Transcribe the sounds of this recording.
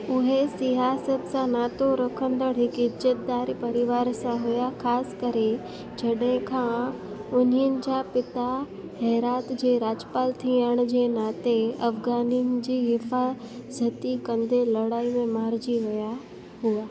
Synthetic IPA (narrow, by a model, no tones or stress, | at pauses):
ʊɦesɪɦaːsət̪sãnaːt̪oɾokʰə̃nd̪əɽɦɪkɪd͡ʒət̪̚d̪aːɾipɐɾɪʋaːɾsãɦujaxʰaːsɪ̥kəɾe | d͡ʑɐɗɦẽkʰã | ʊniənɪ̆d͡ʑaːpɪt̪a | ɦɛːɾaːt̪d͡ʑeːɾaːd͡ʑəpaːlt̪ʰĩaːɽ̃d͡ʑeːnaːt̪eɐfɡaːninɪ̆d͡ʑiːɦɪfaː | zət̪ikɐ̃nd̪elɐɽaːimẽmaːɾd͡ʑiʋɐja | ɦuaː